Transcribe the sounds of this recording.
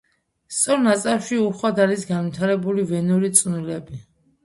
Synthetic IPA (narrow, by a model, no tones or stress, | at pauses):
st̪sʼɔɾnat̪sʼafʃiuχwad̪alisɡanvit̪ʰaɾɛbulivɛnuɾit̪sʼunilɛbi